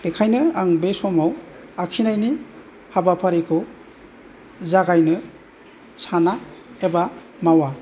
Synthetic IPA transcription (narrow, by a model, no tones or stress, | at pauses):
b̥ekʰajnɯaŋbesɔmaw | akʰinajni | habapʰaɾikʰɯ | zaɡajnɯ | sanaeba | mawa